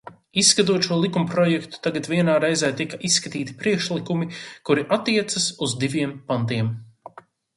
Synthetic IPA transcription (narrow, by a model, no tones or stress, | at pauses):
issːkat̪̬uɔt̪ʃuɔlˠikumpɾɔjɛkt̪u̥t̪aɡat̪viɛnaːɾɛjzɛːt̪ikaʔisːkat̪iːt̪i̥pɾiɛkʃlˠikumikuɾiʔat̪ːiɛt̪sɐsuzd̪ivʲiɛmpant̪iɛm